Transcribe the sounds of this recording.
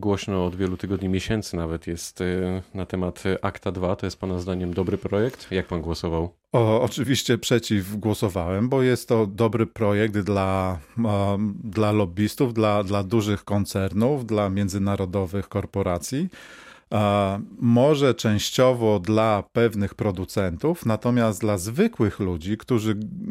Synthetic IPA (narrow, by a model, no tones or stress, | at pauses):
ɡwɔɕnɔːd̪vʲjɛlut̪ɘɡɔd̪ɲimʲjeɕɛnt̪sɘnavɛt̪jɛst̪nat̪ɛmat̪ʔakt̪ad̪vat̪ɔjɛst̪̚panazd̪aɲɛmd̪ɔbɾɘpɾɔjɛkt̪jak̚panɡwɔsɔvaw | ɔɔt͡ʂɘvʲiɕt͡ɕɛpʂɛt͡ɕivɡwɔsɔvawɛmbɔjɛst̪ːɔd̪ɔbɾɘpɾɔjɛk̚d̪d̪la | d̪lalɔbʲist̪uvd̪lad̪lad̪uʐɘxkɔnt̪sɛɾnuvd̪lamʲjɛnd̪zɘnaɾɔd̪ɔvɘxkɔɾpɔɾat̪sʲji | mɔʐɛt͡ʂɛ̃w̃ɕt͡ɕɔvɔd̪lapɛvnɘxpɾɔd̪ut̪sɛnt̪ufnat̪ɔmʲjast̪lazvɘkwɘxlud͡ʑikt̪uʐɘ